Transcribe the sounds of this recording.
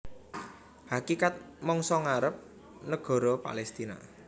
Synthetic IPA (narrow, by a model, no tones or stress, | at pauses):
hakikat̪̚ | mɔŋsɔŋaɾəp̚ | nəɡ̥ɔ̤ɾɔpa̰lɛst̪ina̰